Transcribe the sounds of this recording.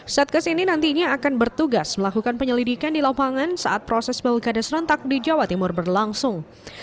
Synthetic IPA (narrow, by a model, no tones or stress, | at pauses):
saat̪̚kasininant̪iɲaːkanbərt̪uɡasməlakukanpəɲəlidikandilapaŋansa̰ʔat̪̚pɾɔsɛsbɛlɡadasɾɔnt̪ak̚did͡ʒawat̪imʊrbərlaŋsʊŋ